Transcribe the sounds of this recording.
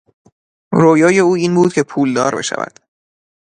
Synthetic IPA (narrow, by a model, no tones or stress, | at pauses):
ɾoːjɒːje̞uːiːnbuːd̪̥̚cʰe̞pʰuːld̪ɒːɾbe̞̰ʃæ̰væ̰d̪̥